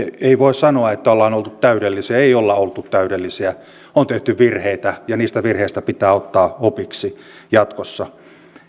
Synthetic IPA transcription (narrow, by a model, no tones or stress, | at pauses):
eiʋoˑessɑnoɑet̪ːæolːɑːnolt̪ut̪t̪æyɾelːisiæeiolːɑolt̪ut̪t̪æyɾelːisiæ | ont̪eht̪yʋʋirheit̪æjɑniːst̪æʋirheist̪æpit̪æːot̪ːɑːopiksi | jɑt̪kosːɑ